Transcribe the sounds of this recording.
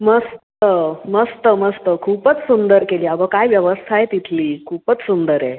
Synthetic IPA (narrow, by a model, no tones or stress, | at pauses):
məst̪əməst̪əməst̪əkʰuːpət͡ssund̪əɾkeliːabəkajʋjəʋəst̪ʰajet̪it̪ʰliːkʰuːpət͡ssund̪əɾe